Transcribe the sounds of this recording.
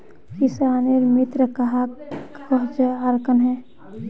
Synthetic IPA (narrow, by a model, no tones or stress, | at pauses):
kisaːneɾmɪt̪ɾəkɐɦa | əɦt͡ʃəaɾkənɦɛ̃ː